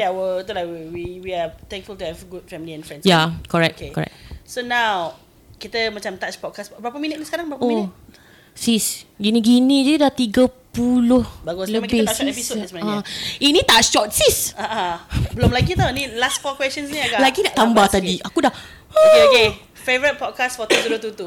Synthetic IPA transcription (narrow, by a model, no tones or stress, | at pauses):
awət̪ulawwiwiat̪ɛ̃ŋkfult̪uhɛvɡut̚fɛmiliɛ̃nfɹɛ̃ndsjakɔɹɛk̚kekɔɹɛ̰k̚sonãw | kit̪əmat͡ʃamt̪at͡ʃpɔd̚kasbɾapəminət̪̚nisə̥kaɾaŋbəɾapəomint | sisɡiniɡinĩd͡ʒuidat̪iɡəpulʊhbaɡɔsləbiɛisosmaainĩt̪at͡ʃʃɔt̪̚sisaʔãbəlomlaɡit̪awnĩlastkɔkwɛstə̃nsniaɡalaɡidaʔt̪ambaht̪adiakudah | ooke | fevəɾit̚pɔd̚kasfɔt̪ut̪udut̪ut̪u